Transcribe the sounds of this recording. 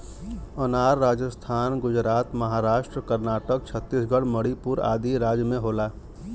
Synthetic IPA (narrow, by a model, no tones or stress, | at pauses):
ənaːɾːaːd͡ʒəst̪ʰaːnɡʊd͡ʒɾaːt̪məɦaːɾaːʃʈɾəkəɾnaːʈək̚t͡ʃʰət̪ːisɡʱəɽməɽipuɾa̰ːd̪iɾaːd͡ʒjəmẽɦoːlaː